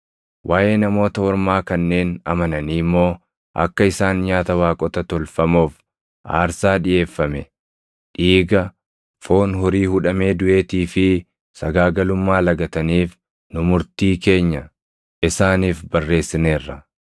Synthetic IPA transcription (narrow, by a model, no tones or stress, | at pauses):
wʔaːʔe̞ːnɐmo̞ːt̪ɐɔɾmaːkɐnːe̞ːnɐmɐnɐniːmːo̞ː | ʔɐ̰kːɐɪsaːnɲaːt̪ɐwaːkʼɔt̪ɐt̪ɔlfɐmoːf | ʔa̰ːɾsaːᶑɪʔe̞ːfːɐmɛ | ᶑiːɡɐ | fo̞ːnɦʊɾiːhʊᶑɐme̞ːd̪ʊʔe̞ːt̪iːfɪ | sɐɡaːɡɐlʊmːaːlɐɡɐt̪ɐniːf | nʊmʊɾt̪iːke̞ːɲːɐ | ʔɪsaːniːfbɐrːe̞ːsːɪneːrːɐ